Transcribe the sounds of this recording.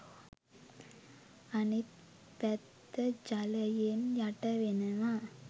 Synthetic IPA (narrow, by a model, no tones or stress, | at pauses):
ɐnit̪̚ | pɛt̪ːəd͡ʒalɐjenjaʈɐʋenɐʋa